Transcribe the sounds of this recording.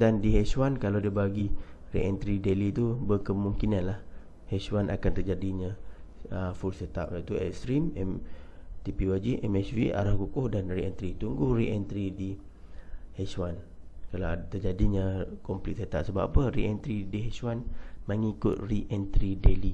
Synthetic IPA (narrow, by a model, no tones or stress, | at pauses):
dandiɦɛsuwankalawdiəbaɡi | rḭʔɛnt̪ɾidelit̪ubəkəmuŋkinanlah | hɛswanʔa̰kant̪ərd͡ʒadiɲaəfulsət̪a̰p̚jat̪uɛ̰kst̪ɾimɛm | t̪ipiwad͡ʒiʔɛmɛsviʔa̰ɾahkukʊhdanriɛnt̪ɾit̪uŋɡuhɾiʔɛnt̪ɾidi | hɛswankalat̪ərd͡ʒadiɲakɔmplit̪̚sət̪a̰ʔ̚səbapapəɾiʔɛnt̪ɾidiɦɛswanmaŋikʊt̪̚riʔɛnt̪ɾideli